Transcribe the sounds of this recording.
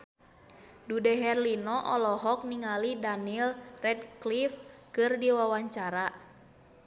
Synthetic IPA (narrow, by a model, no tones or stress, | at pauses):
dudɛɦɛrlinɔʔɔlɔɦɔk̚niŋalidanilrɛd̚klifkɨrdiwawaɲt͡ʃaɾa